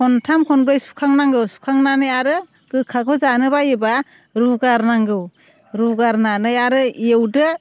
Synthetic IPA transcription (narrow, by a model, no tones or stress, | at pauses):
kʰɔntʰamkʰɔnbɾajsu̥kʰaŋnaŋɡɯwsu̥kʰaŋnanɯjaɾɯ | ɡ̥ɯkʰakʰɔzanɯbajɯba | ɾuɡaɾnaŋɡɯw | ɾuɡaɾnanɯjaɾɯiewdɯ